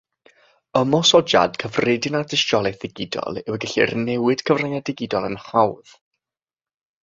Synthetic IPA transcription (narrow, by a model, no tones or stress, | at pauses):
əmɔsɔd͡ʒa̰d̥kʰəvredɪnadɪʃtɔlˠɛθɪɡɪdɔ̰lˠɪwəɡəɬḭrnɛwɨd̥kʰəvranadɪɡɪdɔlˠənhawð̥